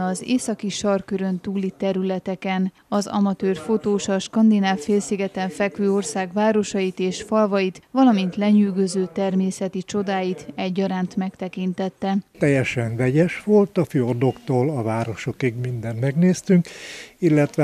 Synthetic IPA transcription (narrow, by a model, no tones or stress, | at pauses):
ɒzeːsɒkiʃɒrkøɾø̞nt̪uːlit̪ɛɾylɛt̪ɛkɛn | ɒzɒ̰mɒt̪øːrfo̞t̪oːʃɒʃkɒnd̪inaːfːeːlsiɡɛt̪ɛɱfɛkʋøːo̞rsaːɡʋaːɾo̞ʃɒjit̪eːʃfɒlvɒjit̪vɒlɒmint̪lɛɲyːɡøzøːt̪ɛrmeːsɛt̪it͡ʃo̞d̪aːjit̪ɛɟːɒɾaːnt̪mɛkt̪ɛkint̪ɛt̪ːɛt̪ɛjːɛʃɛɱvɛɟɛʃʋo̞lt̪ɒfyord̪o̞kt̪oːlɒvaːɾo̞ʃo̞kiɡmind̪ɛnmɛɡneːst̪yŋkilːɛt̪ʋɛ